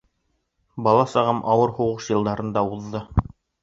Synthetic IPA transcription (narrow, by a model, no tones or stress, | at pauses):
bɑlˠɑsɑʁɤmʔɑwɤɾhuʁɤʃjɤ̆lˠd̪ɑɾɤ̆nd̪ɑuðːɤ